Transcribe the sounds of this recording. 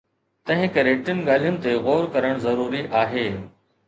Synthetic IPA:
t̪ɐ̃ɦɪ̃kɐɾeʈɪnɪ̆ɠaːl̤ijʊnɪ̆t̪eɣoːɾkɐɾəɽ̃zɐɾuːɾiʔaːɦeː

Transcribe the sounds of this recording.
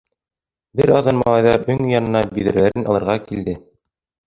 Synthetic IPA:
bɘɾɑðɤnmɑlˠɑjðɑɾɵŋjɑnɤ̆nɑbiðɘ̆ɾlæɾɘnʔɑ̰lˠɤ̆ɾʁɑkild̪ɘ

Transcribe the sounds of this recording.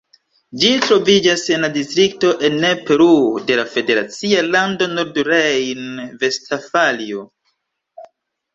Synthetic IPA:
d͡ʒitɾo̞vid͡ʒase̞nladistɾik̚to̞ʔe̞nːepe̞ɾude̞lafe̞de̞ɾat͡sialando̞no̞ɾduɾejnve̞stʰafalio

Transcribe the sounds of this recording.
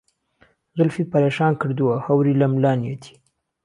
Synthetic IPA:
zʊlfipaɾaʃɑːnkəɽd̪uwahawɾilamlɑnjat̪ʰi̥

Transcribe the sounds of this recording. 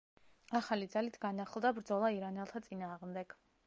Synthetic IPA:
aχalid̪zalit̪ʰɡanaχlˠd̪abɾd̪zɔlˠaiɾanɛlˠt̪ʰat̪sʼinaːʁmd̪ɛɡ̥

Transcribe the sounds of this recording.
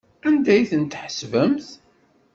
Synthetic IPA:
ænd̪æjθənt̪ħəsvəmθ

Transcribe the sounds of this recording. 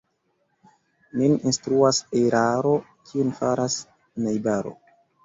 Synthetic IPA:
nininstɾuaseɾaɾo̞ | kʰionfaɾas | najbaɾo̞̰

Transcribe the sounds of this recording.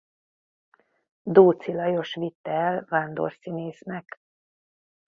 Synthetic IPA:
d̪oːt̪silɒjo̞ʃʋit̪ːɛlvand̪o̰rsineːsnɛk

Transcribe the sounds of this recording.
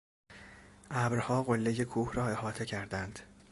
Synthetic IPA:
ʔæbɾhɒːɣo̞lːe̞je̞kʰuːhrɒːe̞hɒːt̪ʰe̞cʰæɾd̪ænd̪̥

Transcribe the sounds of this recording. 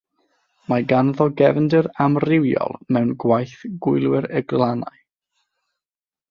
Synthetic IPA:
maɡanðɔɡɛvndəɾamrɪwjɔ̰lˠmɛwnɡwajθɡ̥ʊjlˠwɪɾəɡlˠana̰j

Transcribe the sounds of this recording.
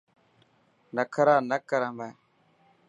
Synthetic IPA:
nakʰaɾanakaɾamba

